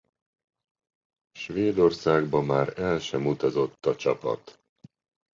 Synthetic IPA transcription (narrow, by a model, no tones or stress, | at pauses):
ʃveːd̪o̞rsaːɡbɒmaːɾɛlʃɛmut̪ɒzo̞t̪ːɒt͡ʃɒpɒ̰t̪